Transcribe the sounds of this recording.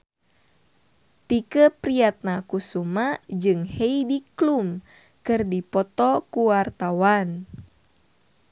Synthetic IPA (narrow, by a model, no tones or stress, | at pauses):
t̪ikəpɾiat̪̚nakusumad͡ʒɨŋheidiklum | kɨrdipɔt̪ɔkuwart̪awan